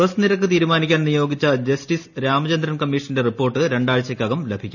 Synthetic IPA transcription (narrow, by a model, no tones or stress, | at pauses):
ʋɐsɐniɾɐkːɨt̪iːɾumaːnikʲːaːnnijo̞ːɡit͡ɕːɐd͡ʑɐsʈisɾaːmɐt͡ɕɐnd̪ɾɐmkɐmːiʂɐnde̞ripːo̞ːrʈːɨɾe̞ɳɖaːɻt͡ɕːɐkʲːaːɣɐmlebʱikʲːum